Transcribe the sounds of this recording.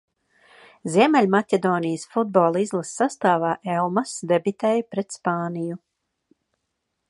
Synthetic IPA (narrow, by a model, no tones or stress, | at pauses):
zʲiɛmɛlʲmatʲed̪ɔːnijəsfud̪̚bɔːlˠizlˠasːast̪aːvaːʔɛlˠmasd̪ebit̪ɛjupɾɛt̪spaːniju